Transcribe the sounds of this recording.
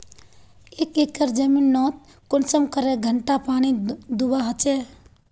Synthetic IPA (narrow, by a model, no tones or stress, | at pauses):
eːkekːəɾd͡ʒəminːɔːt̪̚ | kʊnsəmkəɾeɡʱəɳʈapaːnid̪ubaɦət͡ʃe